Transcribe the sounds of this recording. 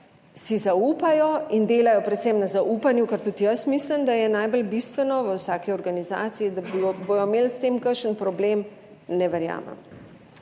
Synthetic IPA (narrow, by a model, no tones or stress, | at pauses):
sizauːpajɔind̪eːlajɔpɾɛt̪sɛmnazauːpanjukəɾt̪ut̪ijəsmisləmd̪ajɛnajbɔlbist̪ʋɛnɔʋəwsaːkiɔɾɡaniza̰ːt̪siid̪abojɔmeːlst̪emkəʃənpɾɔbleːm | nɛʋɛɾja̰ːmɛ̰m